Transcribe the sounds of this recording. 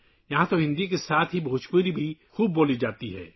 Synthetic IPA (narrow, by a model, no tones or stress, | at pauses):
jɐɦãt̪oɦɪ̃nd̪ikesaːt̪ʰɦibʱuːt͡ʃkuɾibʱixuːbːoːlid͡ʒaːt̪iɦɛ̰ː